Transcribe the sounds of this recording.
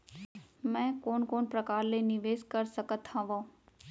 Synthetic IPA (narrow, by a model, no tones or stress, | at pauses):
mɛ̃ːkoːnkoːnpɾəkaːɾlenɪʋeːskɐɾsəkət̪ʰːãʋõː